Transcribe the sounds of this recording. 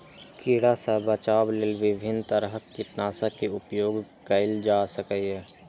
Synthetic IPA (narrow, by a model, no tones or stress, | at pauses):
kɪɽasɐbət͡ʃaːblelʋɪbʱɪnt̪əɾɦəkɪʈnaːsakeʊpjoːɡ | kɐɪld͡ʒaːsəkəɦɛː